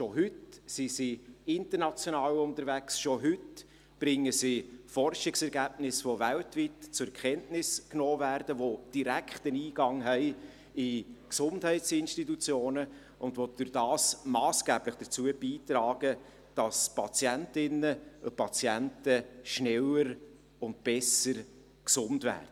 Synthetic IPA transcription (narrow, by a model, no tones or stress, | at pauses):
ʃoɦʏtsisiɪntəɾnɑt͡sjonɑːwʊntəɾvæksʃoɦʏt | b̥ɾɪŋːəsifɔrʃɪksɛɾɡæːbnɪsʋovæltvitt͡sʊɾɛkʰɛntnɪsknoːvæɾd̥əʋod̥iɾækχtəniːɡ̥ɑŋɦɛɪ | ɪksʊnthɛɪtsɪnʃtitut͡sjoːnə | ʊndvod̥ɨɾd̥ɑːsmɑːsɡ̥æːbləχd̥ət͡suəb̥iːtɾɑːɡ̥ə | d̥ɑspʰɑt͡sjæntɪnəʊpɑt͡sjæntəʃnɛləɾ | ʊnt̚b̥ɛsəɾ | ksʊndvæ̰ːrd̥ə